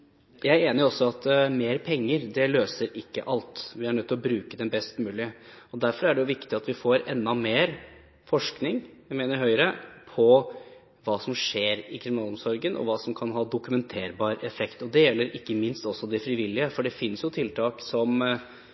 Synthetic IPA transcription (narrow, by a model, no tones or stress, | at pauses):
jæɪæɾeːnɪʊɔsːɔɑt̪meːɾpʰɛŋːəɾd̪ɛløːsəɾɪkːə̰ʔɑlt̪ʋɪæɳœt̪ʰːɪlɔbɾʉːkəd̪ɛnbɛst̪mʉːlɪəɔd̪æɾfɔɾæɖɛjʊʋɪkt̪ɪɑt̪ʋɪfoːɾɛnd̪ːɑmeːɾ | fɔʂknɪŋjæɪmeːnəɾɦœʏɾəpʰɔ | ʋɑːsɔmʂeːɾɪkʰɾɪmɪnɑːlɔmsɔɾɡənʔɔ̰ʋɑːsɔmkʰɑnɦɑːd̪ʊkʉmɛnt̪ʰeːɾbɑːɾɛfɛkt̪ɔd̪ɛjɛlːəɾʔɪkːəmɪnst̪ɔsːɔd̪ɛfɾɪʋɪlːɪəfɔɖɛfɪnːsjʊt̪ʰɪlt̪ʰɑːksɔm